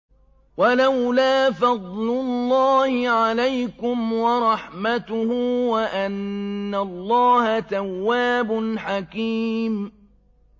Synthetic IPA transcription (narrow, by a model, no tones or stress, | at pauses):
walawlaːfɑd̪ˤlʊlːɑːhɪʕalajkʊmwɑɾˤɑħmat̪ʊhuwaʔanːalːɑːhat̪awːaːbʊnħakiːm